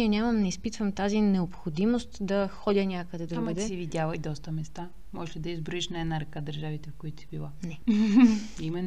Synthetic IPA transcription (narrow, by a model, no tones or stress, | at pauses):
iɛnʲamɐmnɛispit̪vəmt̪azinɛopxod̪imost̪d̪ɐxɔd̪ʲənʲakəd̪ɛd̪ɾubɛd̪ɛsɛvid̪ʲjavɐjd̪ɔst̪əmɛst̪a | mɔʒɛʃlʲid̪ɐizbɾoiʃnɐɛd̪naɾɐkad̪ɐɾʒavit̪ɛfkoit̪ʊ̥sibilˠanɛ | imɛnː